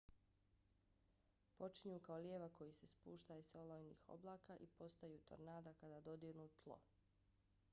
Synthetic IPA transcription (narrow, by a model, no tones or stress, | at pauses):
po̞t͡ʃiɲuːkaoljeːʋako̞jisespuːʃt̪aiso̞lojnḭːxo̞̰blˠaːkaʔipo̞st̪ajut̪o̰ɾnaːd̪akad̪aːd̪o̞d̪iɾnut̪ʰlˠo̰